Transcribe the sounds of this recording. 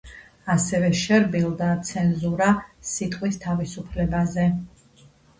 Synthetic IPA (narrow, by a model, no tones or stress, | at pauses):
asɛvɛʃɛɾbilˠd̪at̪sʰɛnzuɾasit̪ʼqʼwist̪ʰavisupʰlɛbazɛ